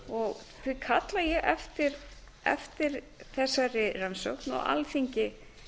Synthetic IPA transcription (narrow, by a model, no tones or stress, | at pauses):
ɔɣ | θvɪkʰat̪lajɛɣʔɛft̪ɪɾ | ɛ̰ft̪ɪɾ | θɛsːaɾɪransowknɔ̰ɣa̰lθiɲcɪ